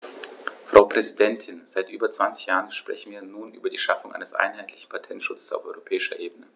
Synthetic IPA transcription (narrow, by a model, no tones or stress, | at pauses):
fʁ̥aʊpʁ̥ɛzidɛntʰɪnz̥aɪtʔyːbɐt͡sv̥ant͡sɪ̥çjaːʁənʃpʁ̥ɛ̰çn̩viːɐnuːnʔy̰ːbɐdiːʃafʊŋʔa̰ɪnəsʔa̰ɪnɦaɪtʰlɪçn̩pʰatʰɛntʃʊt͡sə̥sa̰ʊfʔɔʏʁopʰɛːɪʃɐʔeːbənə